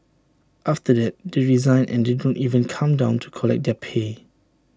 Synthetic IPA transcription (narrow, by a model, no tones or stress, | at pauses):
ʔaftədɛt̚deɹizãɪ̃nɛ̰̃ndɪdɔ̃nʔivə̃nkʰãmdãʊ̃ntʰu̥kʰɔlɛ̰k̚dɛpʰe